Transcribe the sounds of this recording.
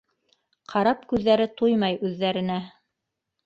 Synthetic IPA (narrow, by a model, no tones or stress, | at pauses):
qʰɑɾɑpkʉðːæɾɘt̪ujmɑjʉðːæɾɘ̆næ